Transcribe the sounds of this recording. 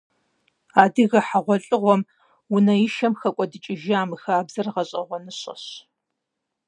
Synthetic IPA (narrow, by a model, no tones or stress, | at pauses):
aːdɨɣɐħaʁʷɔɬʼɨʁʷɔm | wʊnɐjɪʃɐmxɐkʷʼɔdɨt͡ʃʼɪʒaːmɨxaːbzɐrʁɐɕʼɐʁʷɔnɨɕʼɐ̰ɕ